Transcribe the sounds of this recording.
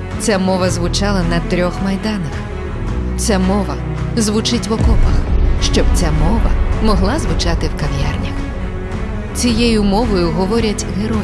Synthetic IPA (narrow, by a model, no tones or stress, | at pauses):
t͡sʲamɔʋɐzʋʊt͡ʃɑlˠɐnɐt̪ɾʲɔxmɐjd̪ɑnɐx | t͡sʲamɔʋɐ | zʋʊt͡ʃɪtʲʋɔkɔpɐ̰xʃt͡ʃɔbt͡sʲamɔʋɐ̰mɔɦlˠɑzʋʊt͡ʃɑt̪ɪwkɐʋʲja̰rnʲɐx | t͡sʲijejʊmɔʋɔjʊɦɔʋɔɾʲɐtʲɦeɾɔ